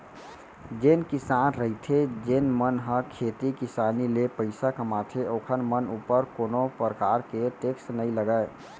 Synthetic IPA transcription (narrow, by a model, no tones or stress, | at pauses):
d͡ʒenkisanɾəɦit̪ʰed͡ʒenmənɦə̃kʰet̪ikisanilepəɪsakəmat̪ʰeʔokʰənmənupəɾkonopəɾəkaɾkeʈeksʈnəiləɡəe